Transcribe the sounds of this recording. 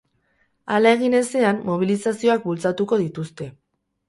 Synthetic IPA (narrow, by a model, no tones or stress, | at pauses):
alae̞ɣ̞ine̞se̞ammo̞β̞ilisasio̞ak̚bult͡sat̪uko̞ðit̪ust̪e̞